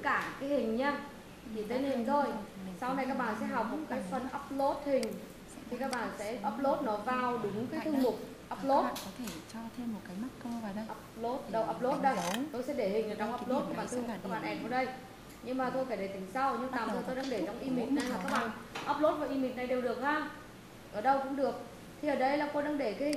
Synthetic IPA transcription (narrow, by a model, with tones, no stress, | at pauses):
kaː˧˩kaː˨˦jhï˨˩ŋ̟ɲaː˧ | i˨˩t̪ʰe˨˦ne˧˩nt̪ʰo˧jsa˧wna˨˩jkaː˦˥k̚ɓa̰ː˧˨nsɛ̰˧˥ɦə˨˩k͡p̚m˦˩t̚kaː˨˦jfə˨˩nʔə˦˥p̚lo˦˥t̚hï˨˩ŋ̟ | t̪ʰi˨˩kaː˦˥k̚ɓa̰ː˧˨nsɛ̰˧˥ʔəː˦˥p̚lo˦˥t̚nɔ˨˦vaː˨˩wɗɨ˨˦ŋkaː˨˦t̪ʰɨ˧ŋmʊ˨˩k͡p̚ | ʔəː˦˥p̚lo˦˥t̚ɔ˨˦t̪ʰe˧˩t͡ɕɔ˧t̪ʰe˧mːo˨˩t̚kaː˨˦jma˦˥t̚kːʔə˦˥p̚lo˦˥t̚ɗə˨˧˩wʔəː˦˥p̚lo˦t̚ɗə˧t̪o˧jsɛ̰˧˥ɗe˧˩hï˨˩ŋ̟ʔəː˨˩t͡ɕɔ˧wŋ͡mʔəː˦˥p̚lo˦˥t̪̚i˨˧˩ɓaː˨˩nt̪ʰmʊ˨˩kaː˦k̚ɓa̰ː˨ʔɛ˧nkɔ˨˧˩ɗə˧j | ɲɨ˧ŋmaː˨˩t̪ʰo˧jkaː˧˩ɗe˧˩t̪ï˨˦ŋ̟sa˧wɲɨ˧ŋt̪aː˨˩t̪ʰəː˧˩jt̪o˧jɗaː˧ŋɗe˧˩t͡ɕɔ˧wŋ͡mʔi˧mi˨˩t̚na˨˩jhaː˨˩kaː˦˥k̚ɓa̰ː˧˨nʔaəː˦˥p̚lo˦˥t̚va˨˩ʔi˧mi˨˩t̚na˨˩jɗe˨˩wɗɨ˨˩ək̚haː˧ | ʔəː˧˩ɗə˧wkʊ̰˧˥ŋ͡mɗɨ˨˩ək̚ | t̪ʰi˨ʔəː˨˩ɗə˧jlaː˨˩t̪o˧jɗaː˧ŋɗe˧˩kaː˨˦hï˨˩ŋ